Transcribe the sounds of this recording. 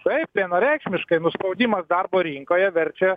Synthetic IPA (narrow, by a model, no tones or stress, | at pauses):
t̪ɐɪp̚tʲinoːɾʲɛɪkʃʲmʲɪʃkɐɪnʊspɐʊd̪ʲiːmɐsd̪ɐrboːɾʲiŋkoːjɛʋʲɛɾʲt͡ʃʲɛ